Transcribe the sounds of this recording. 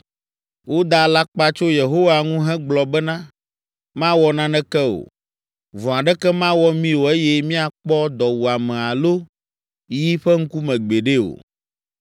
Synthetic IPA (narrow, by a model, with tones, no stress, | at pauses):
wo˦d̪a˦la˦k͡pa˦t͡ʃo˦je˨ɦo˦wa˨ŋũ˦ɦɛ̃˦ɡ͡blɔ˨bɛ˦nã˦ | mã˦wɔ˦nã˦nɛ̃˦kɛ˦o̰˨ | vɔ̃˨a˨ɖɛ˦kɛ˦mã˦wɔ˦mĩ˦wo˨e˦jɛ˦mĩ˦a˨k͡pɔ˦d̪ɔ˨wu˨a˨mɛ̃˨a˨lo˦ | ji˦ɸɛ˦ŋ̩˦ku˦mɛ̃˨ɡ͡be˨ɖe˦o̰˨